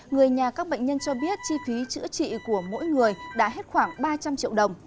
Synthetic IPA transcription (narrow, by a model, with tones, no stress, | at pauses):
ŋɨ˨˩əjɲaː˨˩kaː˦˥k̚ɓə̰˧˨jŋ̟ɲə˧nt͡ɕɔ˧ɓi˦˥ət̚t͡ɕi˧fi˨˦t͡ɕɨ̰˧˥ət͡ɕḭ˧˨ku˧˩əmo̰˧˥jŋɨ˨˩əjɗa̰ː˧˥ɦe˦˥t̚xwaː˧˩ŋɓaː˧t͡ɕa˧mt͡ɕḭ˧əwɗə˨˩wŋ͡m